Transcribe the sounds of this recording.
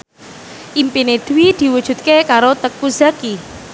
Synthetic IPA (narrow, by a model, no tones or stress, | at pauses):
ʔimpined̪̥ṳwid̪̥i̤wud̥ʒ̥ṳt̪̚kekaɾot̪əkuza̤ki